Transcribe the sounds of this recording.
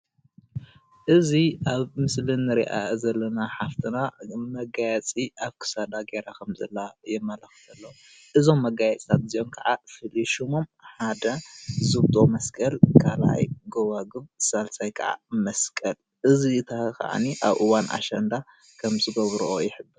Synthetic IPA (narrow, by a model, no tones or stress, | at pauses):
ʔɨziʔaβmɨslɨnːɨɾḭʔa̰zɐlːɐnaħaft̪ʰɨnamɐɡajɛt͡sʼiʔaβkʰɨ̥sad̪aɡeɾakʰɐmzɐlːajɛmːɐlɐxfɐlːɐ | ʔɨzo̞mːɐɡajɐt͡sʼt̪ʰat̪̚ziʔo̞nkʰɐʕafɨliʃumomħad̪ɐzɨβt̪ʼomɐskʼɐlkʰala̰jɡowaɡɨβsalsajkʰɐ̰ʕa̰mɐskʼɐl | ʔɨzit̪ʰaka̰ʕa̰niʔaβʔɨwanʔa̰ʃɐnd̪a | kʰɐmzɨɡɐβɾuʔojɪħɨbːɨɾ